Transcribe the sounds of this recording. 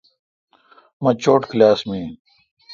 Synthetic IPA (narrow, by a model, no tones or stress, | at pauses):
mɐt͡ɕoːʈklaːsmi